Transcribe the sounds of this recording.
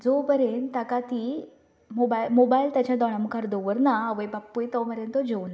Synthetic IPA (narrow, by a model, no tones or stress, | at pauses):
d͡zobəɾent̪akat̪i | mobailmobailt̪jat͡ɕad̪ɔɽaməkaɾd̪oʋəɾnaaʋəjbapːujt̪ɔməɾent̪ɔd͡ʑewna